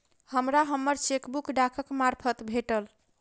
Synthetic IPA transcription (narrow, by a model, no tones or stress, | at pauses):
həmɾaɦəmːəɾt͡ʃekbukɖakʰəkmaɾpʰət̪bʱeʈəl